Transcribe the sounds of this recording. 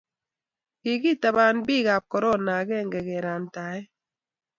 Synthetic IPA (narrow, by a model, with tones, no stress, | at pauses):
ki˨ki˦˨ta˨ba˨nbi˦˨ka˨p̚kɔ˨ɾɔ˦na˨kɛ˦˨ŋɡɛ˨kɛ˨ɾa˨n˨ta˨˦ɛ˦